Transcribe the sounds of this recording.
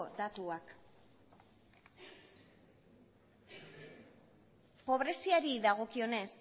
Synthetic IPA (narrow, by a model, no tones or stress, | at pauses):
od̪at̪uak | po̞β̞ɾe̞siaɾiðaɣ̞o̞kio̞ne̞s